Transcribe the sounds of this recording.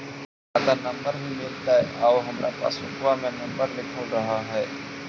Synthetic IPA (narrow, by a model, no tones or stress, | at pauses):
aːd̪aːnəmbəɾɦiːmɪlt̪aːɦɛʔaːoɦəmɾa̰ːpa̰ːsʊ̰kʊʋaːmẽːnəmbəɾlɪkʰəlɾəɦaːɦɛː